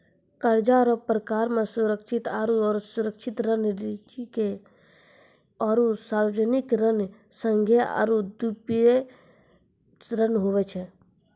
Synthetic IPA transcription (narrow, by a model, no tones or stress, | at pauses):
kəɾd͡ʒaɾɔpɾəkaːɾmẽsuɾəkʃʰɪt̪aːɾuɔːɾsuɾəkʃʰɪt̪ɾənɾit͡ʃike | ɔːɾusaɾəd͡ʒənɪkɾən | sə̃ŋɡʱea̰ɾud̪upe | ɾənɦoʋɛt͡ʃʰɛ